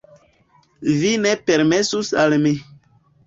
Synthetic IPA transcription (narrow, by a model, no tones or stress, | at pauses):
vinepeɾmesusalmi